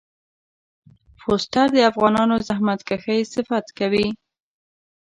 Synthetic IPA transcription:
fostaɾd̪əafɣɑnɑnozahmat̪kaxəjsɪfat̪kawi

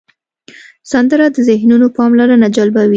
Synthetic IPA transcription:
sand̪əɾad̪əzɪhnunopɑmlɑɾənad͡ʒalbawi

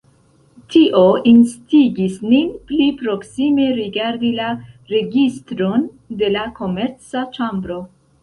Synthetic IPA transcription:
tʰiʔo̞instiɡisninplipɾo̞ksime̞ɾiɡaɾdila | ɾe̞ɡistɾo̞n | de̞lako̞me̞ɾt͡sat͡ʃambɾo̞

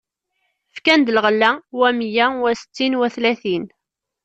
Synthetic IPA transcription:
fkænd̪ləʁəlːæwæmjæwæsə̥t͡sːinwæθlæθin

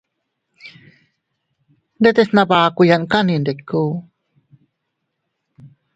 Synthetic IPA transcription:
ndet̪esnabaːkujankanindekːu

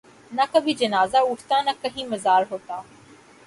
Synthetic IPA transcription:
nɐkɐbʱid͡ʒɐnaːzaʊʈʰt̪anɐkɐɦĩmɐzaːɾɦoːt̪aː

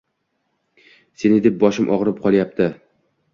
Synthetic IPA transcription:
se̞nɪd̪e̞p̚bɒʃɪmʔɒʁɾɪp̚qʰɒlˠjap̚t̪ʰɪ

